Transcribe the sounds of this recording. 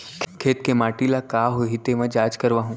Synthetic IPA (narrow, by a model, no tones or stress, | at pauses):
kʰkʰeːt̪̚kemaːʈilakaːɦoɦit̪eʋɐ̃d͡ʒaːd͡ʒkəɾʋaːɦũ